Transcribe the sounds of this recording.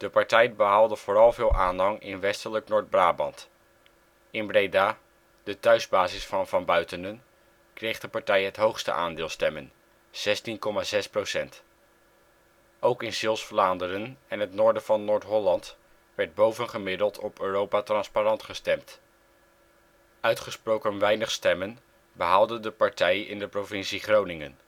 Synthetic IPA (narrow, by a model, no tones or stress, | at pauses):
d̥əpɑɹtɛjbəɦalˠdəv̥oːrɑlˠvɪːlˠʔaːnɦɑŋɪ̰nʋɛstələknʊːɹd̚braːbɑ̰nt | ɪnbrejdaː | d̥ətœɥzbaːzɪsfɑnvɑnbœɥtənən | krejχdəpɑɹtɛjɦətɦowχstə̰ʔaːndɪːlˠstɛmən | z̥ɛstinkɔmazɛsprowsɛnt | ʔowkɪnsɪlˠsflaːndəɾənɛnɦətnʊːɹdəv̥ɑnːʊːɹtɦɔlɑnt | ʋɛɹd̚bowvənχəmɪdəlˠtʰɔpøːrowpatrɑnsparɑntχəstɛmt | œɥtχəsprowkənʋɛjnəχstɛmən | bəɦaːlˠdəndəpɑɹtɛjɪ̰ndəprovɪnsiχrownɪŋə̰n